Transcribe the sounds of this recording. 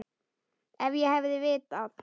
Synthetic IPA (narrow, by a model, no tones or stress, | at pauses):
ɛvjɛɦɛvðɪvɪːt̪að